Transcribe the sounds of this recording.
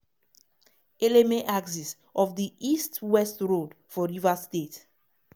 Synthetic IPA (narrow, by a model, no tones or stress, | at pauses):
elemeʔaɡsis | ɔfdiʔistwɛstɹod | fɔɹivastet